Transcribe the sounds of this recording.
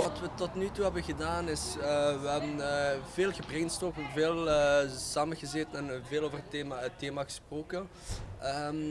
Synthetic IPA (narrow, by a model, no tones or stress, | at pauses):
ʋɑtʋətɔtnytuɦɛbənɣədaːnɪsəʋəɦɛbənːveːlˠɣəbrɛŋnstɔkveːlˠəsaːməɣəzeːtənɛnveːlˠoːvərəteːmaətːeːmaɣə̥sproːkə | əm